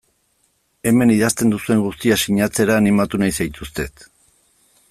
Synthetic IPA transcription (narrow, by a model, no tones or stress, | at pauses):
e̞me̞niðast̪e̞nd̪usue̞ŋɡust̪iasiɲat͡se̞ɾaːnimat̪unajsajt̪ust̪e̞t̪